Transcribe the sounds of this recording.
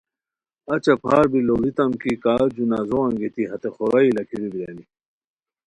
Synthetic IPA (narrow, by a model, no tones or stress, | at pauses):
ɐt͡ɕɐpʰaːɾbiloɾit̪ɐmkikaːd͡ʑunazoɐŋɡet̪iɦɐt̪eχoɾailɐkʰiɾibiɾeni